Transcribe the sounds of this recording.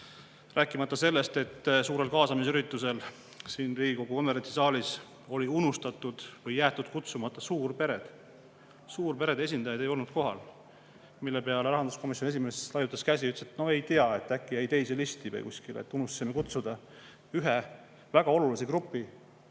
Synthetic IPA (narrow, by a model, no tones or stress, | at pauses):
ræːkːˑimɑt̪ːɑse̞lːe̞st̪e̞t̪ːsuːɾe̞lkɑːsɑmis̬yɾit̪ːˑuse̞l | siːnriːɡ̥iko̞ɡ̥uomeɾent̪isɑːlis | o̞liunust̪ɑt̪ːˑud̪̥vɯjːæːt̪ːˑud̪̥̚kut̪sumɑt̪ːˑɑsuːrpe̞ɾe̞d̪̥ | suːrpe̞ɾe̞d̪̥e̞s̬ʲind̪̥ɑjɑd̪̥e̞jo̞lnud̪̥ko̞ɦɑl | milːe̞peɑleɾɑɦɑnd̪usko̞misjo̞nes̬ime̞slɑjut̪ːˑɑskæsʲiyt̪ːset̪no̞e̞jt̪iɑe̞t̪ːˑækːˑijæjt̪e̞jselist̪ivɯ̰jkusʲkilḛt̪ːˑunust̪simekut̪sud̪̥ɑ | yɦɛ | væɡ̥ɑo̞lulisekɾupːˑi